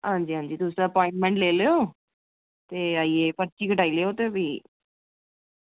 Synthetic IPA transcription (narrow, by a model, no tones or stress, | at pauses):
ɐnd͡ʒiɐnd͡ʒit̪uːsaɐpaːiɳʈmeɳʈleːleo | t̪eɐjepɐt͡ʃːikɐɖɐjleot̪ebi